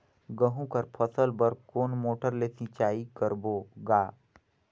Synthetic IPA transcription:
ɡəɦũkɐɾpʰəsəlbəɾkoːnmoːʈəɾlesɪ̃t͡ʃaːikəɾboːɡaː

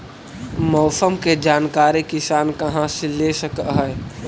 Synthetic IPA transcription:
mɔːsəmked͡ʒaːnkaːɾekɪsaːnkɐɦãseleʃəkɦɛː

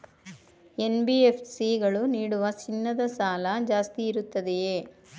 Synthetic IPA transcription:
e̞nbiepʰsiɡɐɭuniːɽuʋɐt͡ʃinːɐd̪ɐsaːlɐd͡ʒaːst̪iːɾut̪ːɐd̪e

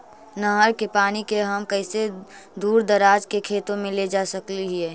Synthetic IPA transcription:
nəɦəɾkepaːnikeɦəmkəɪse | d̪uːɾd̪əɾaːd͡ʒkekʰeːt̪õmẽled͡ʒaːsəkliɦiɛː

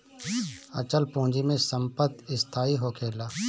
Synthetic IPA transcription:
ə̰t͡ʃəlpõːd͡ʒimẽsəmpət̪ɪst̪ʰaːiɦoːkʰeːlaː

